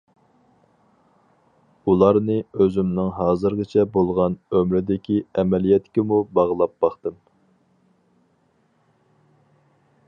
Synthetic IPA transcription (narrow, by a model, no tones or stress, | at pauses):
ulˠɑɾnɨøzymnɨŋɦɑːzɨɾʁɨt͡ʃʰɛbolˠʁɑnømɾɪd̪ɪkʲʰiɛmɛlijɛt̪kʲemubɑʁlˠɑp̚bɑχt̪ɨm